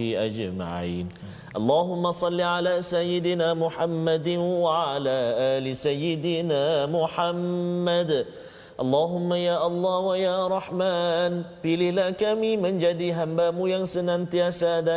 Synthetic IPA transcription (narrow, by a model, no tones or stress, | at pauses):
iʔad͡ʒma̰ʕḭːn | ʔɑlˤːɑːɦʊmːasˤɑlːiʕalaːsajːɪd̪ɪnaːmʊħamːad̪waʕaalaːʔaːlɪsajːɪd̪ɪnaːmʊħamːad̪ | ʔɑlˤːɑːɦʊmːajaːʔɑlˤːɑːwajaːɾˤɑħmaːnfiːlɪlaːkamiːmɪnd͡ʒad̪iːɦambaːmʊjaŋsɪnʔant̪ɪjasaːd̪a